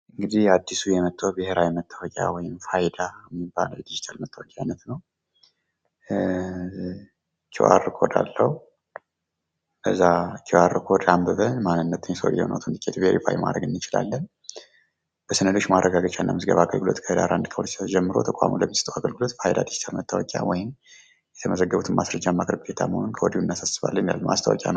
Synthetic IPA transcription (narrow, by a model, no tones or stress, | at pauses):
ʔɨŋɡɨd̪ihad̪ːisujɛmət̪ʼːəbɨheɾajmət̪ʰːəwɔkʲʼja̰wɔjɪmfajd̪ajɛmːibːa̰ləwjɛd̪id͡ʒit̪ʰalmət̪ʰːəwɔkʼaanət̪nəw | kʰiwʔa̰ɾɨkʰo̞d̪a̰lːəhu | bəzːakʰiwaɾːɨkʰo̞d̪ambəβənmanːɨnːət̪ʰɨnsoljɛ̰honʔa̰wt̪ʰɨnd̪ɨkʼːet̪beɾḭfʰa̰jma̰d̪ɾə̰ɡɨnːɨt͡ʃʼɪla̰lːən | b̥əsənəlot͡ʃːmarʔəɡaɡət͡ʃʼanːamɨzɡə̰βaɡə̰lɡɨlo̰t̪kʰəhəd̪aɾand̪kʰəwot͡ʃʰd͡ʒɛmːɨɾo̞t̪ʰəkʼa̰muləmːisɨt̪ʰʼəwaɡəlɡɨlo̞t̪bəhajd̪a̰d̪i̥si̥t̪ʰəɾmət̪ʰːawɔkʼja̰wɔjɪm | jɛt̪ʰəməzəɡːəβut̪ʰɨnmʔasɾəd͡ʒːamːakɾəbɡʰet̪ʰa̰məhonkʰəwɔd̪iuɨnːasasɨβa̰lːənda̰lma̰st̪ʰəwɔ̰kʼja̰nəw